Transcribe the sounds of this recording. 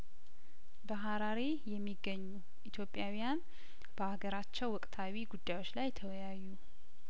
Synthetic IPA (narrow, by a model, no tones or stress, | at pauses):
bəɦaɾaɾejɛmːiɡːəɲːu | ʔit̪ʰjo̞pʼjawjan | b̥əaɡəɾat͡ʃːɛwwɔkʼt̪ʰawiɡud̪ːajwo̞t͡ʃːlajt̪ʰəwjajːu